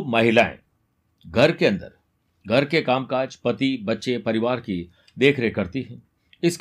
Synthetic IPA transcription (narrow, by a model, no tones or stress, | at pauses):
mɐɦɪlaːḛ̃ | ɡʱɐɾkeɐ̃nd̪ə̰ɾ | ɡʱɐɾkekaːmkaːd͡ʒpɐt̪ibɐtːʃepɐɾɪʋaːɾki | d̪eːkʰɾeɦekɐɾt̪iɦɛ̰̃ː | ɪsk